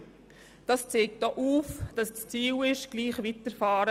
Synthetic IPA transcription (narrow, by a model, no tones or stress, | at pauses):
d̥ɑst͡seːk̚t̚d̥ɔʔuːfd̥ɑsst͡siːlɪʃɡ̥liːχvitəɾfɑːɾə